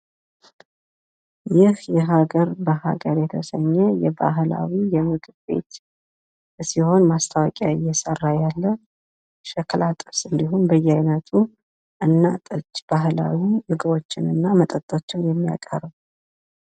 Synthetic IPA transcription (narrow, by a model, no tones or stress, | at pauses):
jɪhjɛɦaɡəɾbəɦa̰ɡəɾjɛt̪ʰəsəɲːɛjɛba̰ɦla̰wijɛmɨɡɨbe̞̰t̪ | siho̞nmast̪ʰawɔkʼjajːɛsərːajalːə | ʃɛklat̪ʼɨfsɨnd̪iɦonbəjːɛajnət̪ʰu | ʔɨnːat̪ʼət͡ʃːb̥aɦla̰winɨɡɨβo̞t͡ʃːɪnɨnːamət̪ʼət̪ʼːot͡ʃːɛwnjɛmːija̰kʼəɾəw